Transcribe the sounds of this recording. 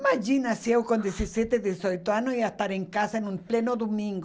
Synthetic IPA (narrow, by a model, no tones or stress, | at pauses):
mad͡ʒinasjewkõnd̪esisjet̪eðjesojt̪oanosiast̪aɾẽŋkasaenũmplenod̪omĩŋɡo